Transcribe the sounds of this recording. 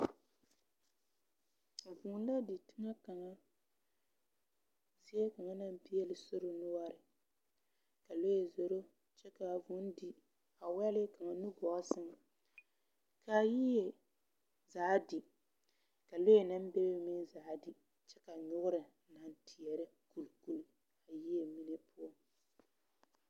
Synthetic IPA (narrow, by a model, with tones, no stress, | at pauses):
m̩˨vu˨˦n˦da˦di˨tɪ˦ŋa˦ka˨ŋa˦ | zi˦ɛ˦ka˨ŋa˦na˦m˦pi˦jɛ˦lɪ˨so˦ɾo˦nʊ˦a˦ɾɪ˨ | ka˨lo˦je˨zo˨ɾo˦ | t͡ʃɛ˦ka˨vu˨˦n˦di˨ | a˨wɛ˦lɪ˦ka˨ŋa˨nu˦ɡɔ˨˦sɪ˦ŋ˨ | ka˨ji˦je˨ | zaː˨˦dɪ˨ | ka˨lo˦je˨na˦m˦be˦bmi˦za˨˦dɪ˨ | t͡ʃɛ˦ka˨ɲʊ˦ɣʊ˦ɾɪ˨na˨n˦tʰi˨ɛ˨ɾɪ˦ | ku˨lku˦l | a˨ji˦e˨mi˦ne˦pʰʊ˦ɔ˦